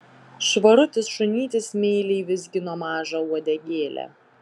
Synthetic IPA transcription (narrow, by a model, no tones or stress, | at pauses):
ʃʋɐɾʊt̪ʲɪsʃʊnʲiːt̪ʲɪsmʲeːlʲɛɪʋʲɪzʲɡʲɪnoːmɑːʒɐuɔd̪ʲɛɡʲeːlʲɛ̰